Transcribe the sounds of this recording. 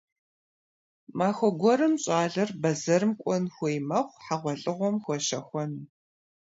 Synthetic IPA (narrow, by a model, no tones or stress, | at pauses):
maːxʷɔɡʷɔɾɨmɕʼaːɮɐrbɐzɐrɨmkʷʼɔnxʷɔjmɐχʷħaʁʷɔɬʼɨʁʷɔmxʷɔʃɐxʷɔn